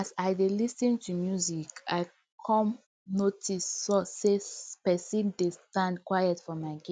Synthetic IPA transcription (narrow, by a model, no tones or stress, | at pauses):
asaɪdelisĩntʰumjuzika̰ɪ | kʰɔ̃m | notʰisɔsespɛsĩndestãndkwajɛtfɔmaɪɡĩ